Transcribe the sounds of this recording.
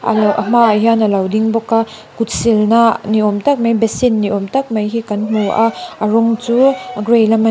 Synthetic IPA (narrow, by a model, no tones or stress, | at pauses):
a̰ʔɐm̥aːjɦanɐlawdiŋbɔka | kut̚silnaniɔmtɐk̚majbesinːiɔmtak̚majɦikanmowʔaaɾɔŋt͡ʃuaɡɾejlama